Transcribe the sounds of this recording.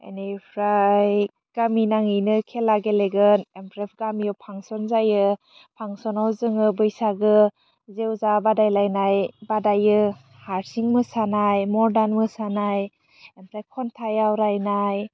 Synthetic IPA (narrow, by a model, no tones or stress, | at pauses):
ḛnepʰɾaj | ɡ̥aminaŋijnɯkʰelaɡeleɡɯnempʰɾep̚ʰɡamijɔwpʰaŋsɔnzajɯ | pʰaŋsɔnawzɯŋɯbɯjsaɡɯ | zewzabadajlajnajbadajɯ | haɾsiŋmɯsanajmɔɾdanmɯsanaj | empʰɾakʰɔntʰajawɾajnaj